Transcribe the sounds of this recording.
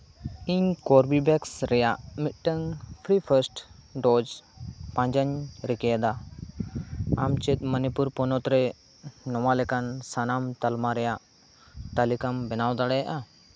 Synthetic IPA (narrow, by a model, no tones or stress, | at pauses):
iɲkɔɾbibɛksɾɛjaʔmit̪̚ʈəŋpʰɾipʰəɾsʈɖɔd͡ʒpãɲd͡ʒəɲɾɛkɛjad̪a | amt͡ʃɛt̪̚mənipuɾpɔnɔt̪ɾɛ | nɔwalɛkansanamt̪almaɾɛjaʔ | t̪alikambɛnawd̪aɽɛjaʔa